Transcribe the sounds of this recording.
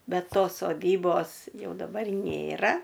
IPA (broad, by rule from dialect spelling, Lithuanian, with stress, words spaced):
ˈbʲɛt ˈtoːs soːˈdʲiːboːs ˈjɛʊ dɐˈbɐr ˈnʲeːrɐ